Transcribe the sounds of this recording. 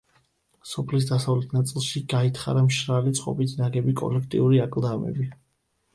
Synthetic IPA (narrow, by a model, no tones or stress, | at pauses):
sɔpʰlis̬d̪asavlɛt̪ʰnat̪sʼilˠʃiɡait̪ʰχa̰ɾamʃɾalit̪sʼqʼɔ̰bit̪ʰnaɡɛbikʼɔ̰lɛkʰt̪ʼḭuɾiakʼlˠd̪amɛ̰bi